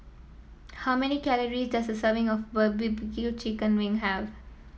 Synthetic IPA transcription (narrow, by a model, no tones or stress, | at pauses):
haʊmɛnikæləɾizdʌsd̪əsəːʋɪ̃ŋɔfbəbɪbkit͡ʃikə̃nʋɪ̃ŋɦæʋ